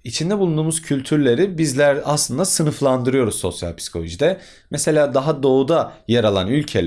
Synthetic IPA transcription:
it͡ʃʰind̪ɛbulˠund̪uːmuzcʰylʲt̪ʰyɾlʲe̞ɾibizlʲæɾaslˠɯnd̪asɯnɯflˠand̪ɯɾɯjo̞ɾuzso̞̰sja̰lʲpʰi̥si̥kʰo̞lʲoʒid̪ɛ | mese̞lʲaːd̪aɦad̪o̞ud̪ajaɾalˠanylʲcʰḛlʲ

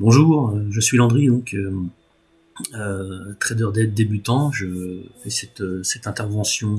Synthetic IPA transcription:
bɔ̃ʒuːʁøʒəsɥilɑ̃d̪ʁid̪ɔ̃kʰø | øt̪χɛd̪œʁd̪ɛd̪ːebyt̪ɑ̃ʒəfɛsɛt̪øsɛt̪ɛ̃t̪ɛʁvɑ̃sjɔ̃

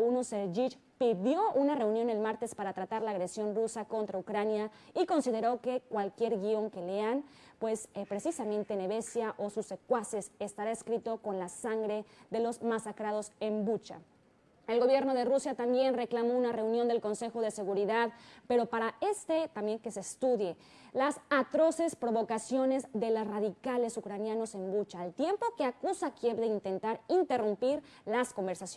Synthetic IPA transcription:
unuseɾʒit͡ʃ | piðjo̞ʔunare̞unjo̞ne̞lmaɾt̪e̞spaɾat̪ɾat̪aɾlaːɣɾe̞sjo̞nrusako̞nt̪ɾaukɾanjaiko̞nsið̞e̞ɾo̞ke̞kwalkje̞ɾɣio̞ŋke̞le̞anpwe̞spɾe̞sisamẽ̞nt̪ene̞βe̞sjaʔo̞susekwasesest̪aɾaeskɾit̪o̞ko̞nlasaŋɡɾe̞ðe̞lo̞zmasakɾað̞o̞se̞mbut͡ʃa̰ | e̞lɣo̞βje̞ɾno̞ðe̞rusjat̪ambje̞nre̞klamo̞unare̞unjond̪e̞lko̞nse̞xo̞ð̞e̞se̞ɣuɾiðaðpe̞ɾo̞paɾae̞st̪e̞t̪ambje̞ŋkese̞st̪uðje̞ | lasat̪ɾo̞se̞spɾo̞βo̞kasjo̞ne̞zðe̞losraðikale̞sukɾanjano̞se̞mbut͡ʃaːlt̪je̞mpo̞ke̞akusakjeβðe̞int̪e̞nt̪aɾint̪e̞rumpiɾ | lasko̞mbe̞ɾsas

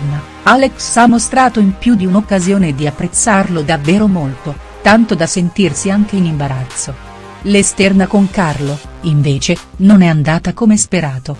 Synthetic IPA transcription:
na | aleksamːost̪ɾaːt̪oimpjud̪iunokːazjoːned̪iapːɾet̪sːarlod̪avːeːɾomolt̪o | t̪ant̪od̪asent̪irsiaŋk̟einimbaɾat̪sːo | lest̪ɛrnakoŋkarlo | iɱveːt͡ʃe | nonɛand̪aːt̪akomespeɾaːt̪o

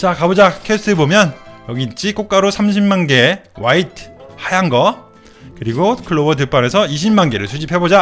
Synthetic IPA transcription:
t͡ɕakabod͡ʑakʰes͈ʰɯebomjʌnjʌɡit͡ɕ͈ik͈ok͈aɾosʰamɕ̬ʰimmanɡe̞waitʰhajanɡʌ | kɯɾiɡokʰɯɭːobʌt̬ɯp͈ane̞sʰʌiɕʰimːanɡe̞ɾɯɭsʰud͡ʑipʰe̞bod͡ʑa

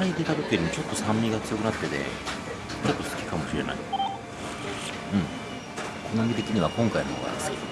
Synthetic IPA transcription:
aid̪e̞t̪at̪ok̪ːeɾʲimit͡ɕo̞t̪ːo̞sãmːʲiɡat͡sɨjokɯ̟nat̪ːe̞d̪e̞̰ | t͡ɕo̞t̪ːo̞sɨ̥kʲi̥kamo̞ɕiɾe̞̰na̰ḭ | ɯ̟̃ɴ | kʰonaŋɡʲit̪e̞kʲiɲ̟iβakõ̞ŋkaimoo̰ɡa̰sɨ̥kʲḭ

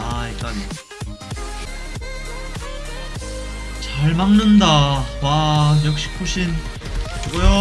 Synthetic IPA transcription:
aik͈an | t͡ɕaɭmaŋnɯndawajʌk̚ɕ͈i̥kʰoɕʰin | ɡʌjo

